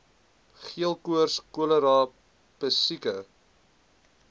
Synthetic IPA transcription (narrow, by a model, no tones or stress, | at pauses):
χiəlˠkuərskuələɾɑː | pəsikə